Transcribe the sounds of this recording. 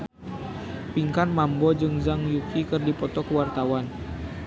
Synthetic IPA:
piŋkanmambɔd͡ʒɨŋzaŋjukʰikɨrdipɔt̪ɔkəwart̪awan

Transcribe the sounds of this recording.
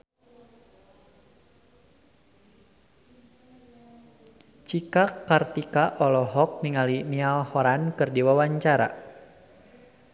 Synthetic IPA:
t͡ʃikakːart̪ikaʔɔlɔɦɔk̚niŋalinialhɔɾankɨrdiwawaɲt͡ʃaɾa̰

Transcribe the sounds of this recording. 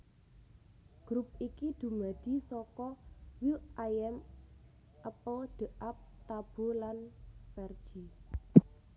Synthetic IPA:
ɡ̥ɾup̚ikid̪̥ṳmad̪̥i̤sɔkɔwuajɛm | ʔəpəlɖ̪̥ə̤ʔap̚t̪ab̥o̤lanfɛrd̥ʒ̥i

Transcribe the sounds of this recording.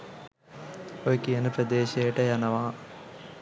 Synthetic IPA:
ojkijɐnəpɾɐd̪eːʃejəʈəjanɐʋaː

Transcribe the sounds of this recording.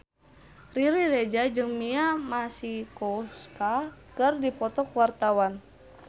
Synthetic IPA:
riɾiɾɛd͡ʒad͡ʒɨŋmiamasikɔskakɨrdipɔt̪ɔkwart̪awan

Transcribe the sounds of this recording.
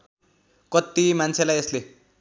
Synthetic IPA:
kʌt̪imant͡sʰelajesle

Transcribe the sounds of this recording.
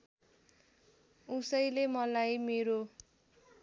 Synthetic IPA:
usʌjlemʌlajmeɾo

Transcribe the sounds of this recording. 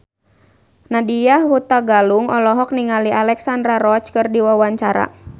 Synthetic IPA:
nadijahhut̪aɡaluŋɔlɔɦɔk̚niŋaliʔalɛksandɾaɾɔt͡ʃkɨrdiwawaɲt͡ʃaɾa̰

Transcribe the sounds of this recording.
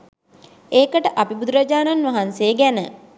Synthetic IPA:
eːkəʈəʔapibud̪uɾad͡ʒaːnanʋaɦansejəɡænə

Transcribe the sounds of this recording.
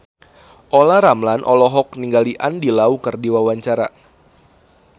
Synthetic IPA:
ʔolaɾamlanʔɔlɔɦɔk̚niŋɡaliʔandilaukɨrdiwawaɲt͡ʃaɾa

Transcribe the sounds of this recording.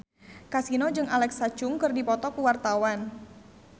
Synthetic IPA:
kasinod͡ʒɨŋalɛksat͡ʃʊŋkɨrdipɔt̪ɔkuwart̪awan

